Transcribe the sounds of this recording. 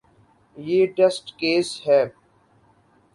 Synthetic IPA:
jeːʈɛsʈkeːshɛː

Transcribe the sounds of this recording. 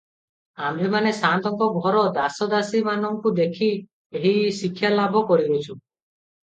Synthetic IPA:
amɾemanesant̪ɔŋkɔɡʱɔɾɔd̪asɔd̪asimanɔŋkud̪ekʰi | eɦisikʰːjalabʱɔkɔɾiɾʱet͡ʃʰu

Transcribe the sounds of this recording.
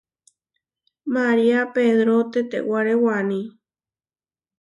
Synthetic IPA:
maɾiapeðɾot̪et̪ḛwaɾewanĩ

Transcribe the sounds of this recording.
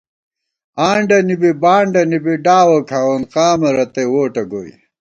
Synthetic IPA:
aːɳɖɐnibibaːɳɖɐnibiɖaːwɐkʰaːwɐnqaːmɐɾɐt̪ewoːʈɐɡoːj

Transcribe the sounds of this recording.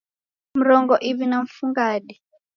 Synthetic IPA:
m̩ɾɔŋɡɔʔivinaɱ̩fuŋɡaɗi

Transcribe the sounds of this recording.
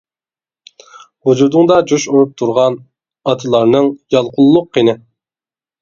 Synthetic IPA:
hud͡ʒuɾd̪ʊŋd̪ɑd͡ʒuʃuɾup̚t̪ʰuɾʁɑn | ɑt̪ʰɨlˠɑɾnɨŋjɑlˠqʰʊlˠːʊqːinɪ

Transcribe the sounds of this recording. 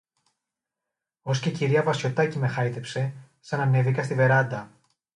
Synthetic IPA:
o̞sceciɾiɐvɐsço̞t̪ɐcime̞xɐit̪e̞pse̞ | sɐnɐne̞vikɐst̪ive̞ɾɐd̪ɐ

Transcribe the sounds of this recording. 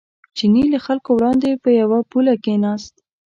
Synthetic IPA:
t͡ʃinilaxalkowɽɑnd̪epəjawapulakenɑst̪

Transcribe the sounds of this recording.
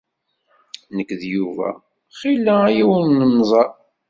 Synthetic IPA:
nəkːðjuvæ̰ | χilːææjiwənːənzˤɑ

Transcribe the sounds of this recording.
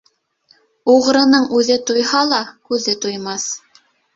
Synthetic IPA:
uʁɾɤ̆nɤɴʉðɘt̪ujhɑlˠɑkʉðɘt̪ujmɑθ

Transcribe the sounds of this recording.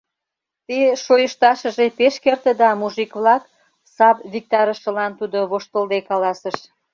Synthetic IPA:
t̪eʃojəʃt̪ɑʃə̆ʒepeʃkert̪əd̪ɑmuʒikβlɑk | sɑpβʲik̚t̪ɑɾəʃə̆lɑnt̪ud̪oβoʃt̪əld̪ekɑlɑsəʃ

